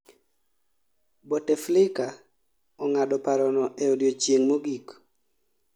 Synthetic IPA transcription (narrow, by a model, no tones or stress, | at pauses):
boteflɪka | ɔŋadɔpaɾɔnɔʔɛodjot͡ʃjeŋmoɡik